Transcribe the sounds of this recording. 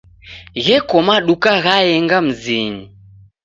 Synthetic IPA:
ɣɛkɔmaɗukaɣaɛŋɡam̩zini

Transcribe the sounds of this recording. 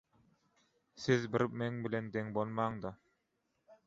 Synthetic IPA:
sɪzbɪɾmeŋbɪlend̪eŋbolˠmɑŋd̪ɑ

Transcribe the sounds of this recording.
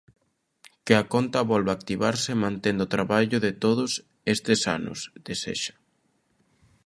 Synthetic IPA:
kɪakont̪ɐβɔlβak̚t̪iβaɾsɪmãnt̪end̪ot̪ɾaβaʎʊðɪt̪oðʊs | est̪ɪsa̰nʊ̰zd̪̥esḛʃḁ

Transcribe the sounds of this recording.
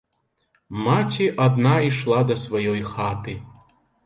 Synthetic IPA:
mat͡sʲiʔɐd̪naiʂlˠad̪ɐsvajɔjxat̪ɨ

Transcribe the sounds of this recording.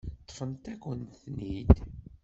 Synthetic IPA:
t̪ˤːfənt̪ækʷənθnid̪

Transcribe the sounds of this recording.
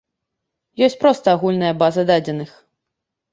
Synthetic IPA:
jɔsʲt͡sʲpɾɔst̪ɐːɣulʲnɐjɐbazɐd̪ad͡zʲɛnɨx

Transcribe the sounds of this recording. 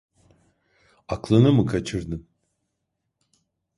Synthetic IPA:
aklˠɯnɯmɯkʰat͡ʃʰɯɾd̪ɯn

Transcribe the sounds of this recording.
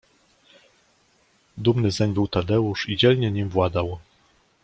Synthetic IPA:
d̪umnɘzɛɲbɘwt̪ad̪ɛuʂid͡ʑɛlɲɛɲimvwad̪aw

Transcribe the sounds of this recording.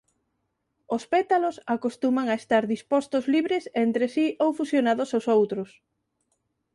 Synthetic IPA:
ospɛt̪alosakost̪umaŋaest̪aɾðispɔst̪ozliβɾesent̪ɾesiʔowfusjonaðosawsowt̪ɾʊs

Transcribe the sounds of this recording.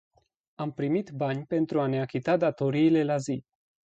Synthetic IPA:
ampɾimit̪banʲpe̞nt̪ɾuane̞akʲit̪ad̪at̪o̞ɾiːle̞lazi

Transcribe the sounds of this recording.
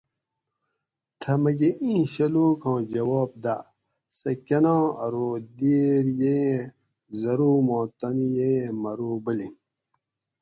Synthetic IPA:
t̪ʰɐmɐɡeʔĩːɕɐluːkʰõːd͡ʑɐwɔːb̚d̪a | sɐkɐnãːɐɾod̪iːɾje | zɐɾuːmõːt̪ɐnijeːmɐɾuːbəli

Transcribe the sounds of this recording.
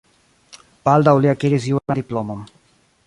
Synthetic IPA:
b̥ald̪awliakiɾis̬iwad̪iplomom

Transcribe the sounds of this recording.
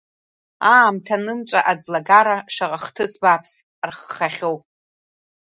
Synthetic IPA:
aːmtʰanɨmt͡ʃʷʼa̰ʔad͡zlaɡaɾaʂaʁʼaχtʰɨsbapʰs | rχːaχʲo̞wpʼ

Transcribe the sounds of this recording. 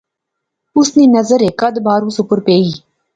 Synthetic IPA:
ʊsneːnɐzəɾekɐd̪baːɾũːsʊpəɾpeːiː

